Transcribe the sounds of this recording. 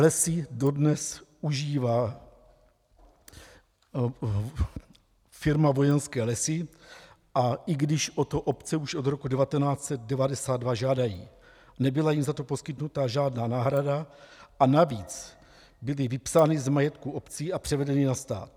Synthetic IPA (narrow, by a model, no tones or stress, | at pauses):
lɛsɪdo̞dnɛsuʒiːvaː | fɪɾmavo̞jɛnskɛːlɛsɪ | ʔaʔɪɡdɪʃʔo̞t̪oʔo̞pt͡sɛuʃo̞d̪ɾo̞kudɛvat̪ɛnaːt͡sɛt̪̚dɛvadɛsaːd̪̚dvaʒaːdajḭː | nɛbɪlajimzat̪o̞po̞skɪt̪nut̪aʒaːdnaːnaːɦɾadaʔanaviːt͡s | bɪlɪvɪpsaːnɪzmajɛt̪kuʔo̞pt͡siːapr̝̥ɛvɛdɛnɪnast̪a̰ːt̪